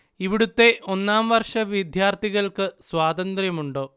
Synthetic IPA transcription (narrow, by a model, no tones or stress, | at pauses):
iʋiɽut̪ːe̞ʔʔo̞nːaːmʋɐrʂɐʋjid̪ʱjaːrt̪ʰiɣɐɭkɨswaːd̪ɐnd̪rjɐmuɳɖoː